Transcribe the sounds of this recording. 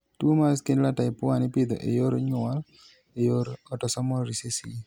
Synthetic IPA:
tumaskendlataɪpʊanipid̪ɔ̰ʔejoɾoɲʊal | ejoɾɔtɔsɔmɔɾɾisesii

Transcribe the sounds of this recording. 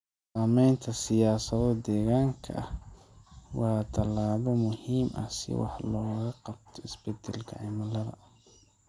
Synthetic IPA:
saːmɛjnt̪ʰɐsɪjaːsɐðɔd̪ɛːɣaːŋkʰɐ̰h | wɑːt̪ʰɐlaːβɔmʊhiːmʔɐ̰sɪ̰wɑ̰ħlɔːɣɐqɑb̚t̪ʰɔɪsb̥ɛd̪ɛlkʰɐ̰ʕɪmɐlɐðɐ̰

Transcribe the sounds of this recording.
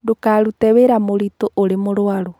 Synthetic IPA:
dokaɾutɛβeɾamoɾitoʔoɾemoɾwaɾu

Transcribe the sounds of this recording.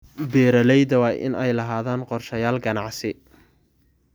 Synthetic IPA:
bɛːɾɐlɛjðɐwɑːjʔɪ̰nɛjlɐɦaːðaːnqɔrʃɐjaːlɡɐnɑʕsɪ

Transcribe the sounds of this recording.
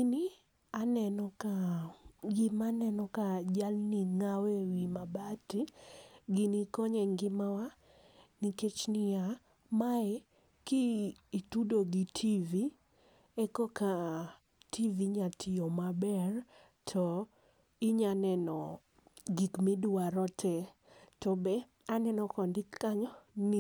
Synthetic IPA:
ni | anɛnɔka | ɡɪmanɛnɔkad͡ʒalniŋawɛwimabatiɡinikɔɲɛŋɡɪmawa | niket͡ʃnɪja | maɛ | kɪːtudoɡitʰivi | ɛkɔka | tiviɲatʰɪɔmabɛr | tʰɔ | iɲanɛnɔ | ɡikmiduaɾɔtʰɛ | tɔbɛ | anɛnɔkɔndɪkːaɲɔni

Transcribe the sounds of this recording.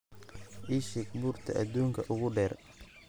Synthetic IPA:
ʔɪʃɪkbʊrt̪ʰɐ̰ʔɐ̰d̪uːŋkʰɐʔʊɣʊɖɛːr

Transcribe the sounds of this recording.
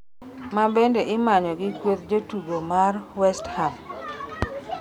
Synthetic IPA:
mabendeʔɪmaɲɔɡɪkwot̪̚d͡ʒotuɡomarwɛstham

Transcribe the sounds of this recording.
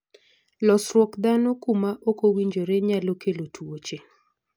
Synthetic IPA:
lɔsɾwɔkd̪anokumaʔokowiɲd͡ʒoɾeɲalokelotʰuot͡ʃe

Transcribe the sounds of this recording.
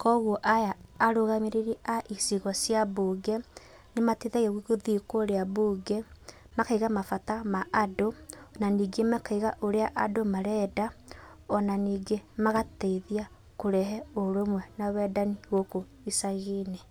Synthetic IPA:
kɔɣwɔʔajaːɾoɣameɾeɾiʔaʔisiɣɔsjaboːɡɛ | nematiðɛɣɛɣikoðikoːɾeabuːɡɛ | makaiɣamafatamaʔːdonaniːɡemakaiɣaʔoɾeaʔadomaɾɛda | ɔnaniːɡemaɣateiðia | koɾɛɦɛoɾomwɛnawɛdaniɣoko | isaɣenɛ

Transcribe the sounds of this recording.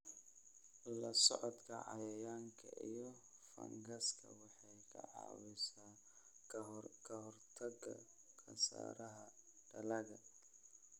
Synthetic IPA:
lɐsɔ̰ʕɔd̪kʰɐʕɑjɐjaːŋkʰɐʔijɔfɐ̰ŋɡɐskʰɐ̰wɑħɑjkʰɐ̰ʕɑ̰ːwɪsaː | kʰɐɦɔrt̪ʰɐɡɐ | kɐsa̰ːɾɐɦɐɖ̥ɐlɐɣɐ

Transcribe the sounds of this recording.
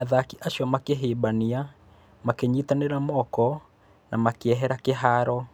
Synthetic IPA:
aðakiʔaʃɔmakeɦebania | makeɲitaneɾamɔkɔ | nʔamakeɛɦɛɾakeɦaɾɔ

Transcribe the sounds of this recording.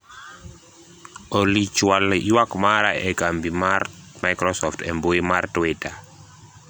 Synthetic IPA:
olit͡ʃwal̰wakmaɾa̰ɛɡambimarmaɪkɾɔsɔftʰɛmboimartweta

